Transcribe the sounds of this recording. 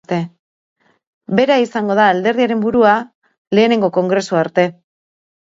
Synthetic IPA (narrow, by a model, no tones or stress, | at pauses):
t̪e̞ | be̞ɾaisaŋɡo̞ð̞aːld̪e̞ɾðiaɾe̞mbuɾua | le̞ːne̞ŋɡo̞ko̞ŋɡɾe̞suaɾt̪e̞